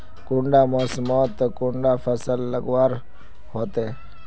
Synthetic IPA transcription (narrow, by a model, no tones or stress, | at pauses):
kʊ̃ɳɖaːmoːsmoːt̪kʊɳɖaːfʰəsəlːəɡwaːɾ | hoːt̪eː